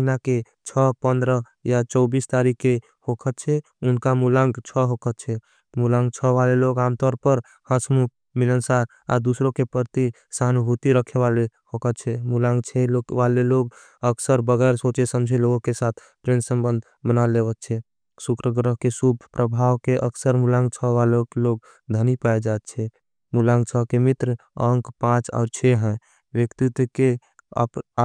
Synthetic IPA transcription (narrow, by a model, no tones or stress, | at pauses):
inake | t͡ʃʰəpənd̪ɾə | jat͡ʃəʊbist̪aɾikːe | hokʰət̪t͡ʃʰɛ | unkamulãŋɡt͡ʃʰəɦokʰət̪t͡ʃʰɛ | mulaŋɡ̚t͡ʃʰəʋaleloɡamt̪ɔɾpəɾ | həsmuk | milənsaɾ | a̰d̪usɾokepəɾt̪i | sanbʱut̪iɾəkʰeʋalehokət̪t͡ʃʰɛmulãŋɡt͡ʃʰɛloʋaleloɡ | əksəɾbəɡɛɾsot͡ʃesəmd͡ʒʱeloɡokesat̪ʰ | ʈɾensə̃mbənd̪ʱ | bənalebət̚t͡ʃʰɛ | sukɾəɡɾəɦkesubʱpɾəbʱawkeʔəksəɾmulãŋɡt͡ʃʰəʋalokeloɡ̚ | d̪ʱənipaed͡ʒaet̪t͡ʃʰɛ | mulãŋɡt͡ʃʰəkemit̪ɾəə̃ŋkpãt͡ʃa̰ʊɾt͡ʃʰɛɦɛ̃ | ʋjəkt̪it̪kḛ | p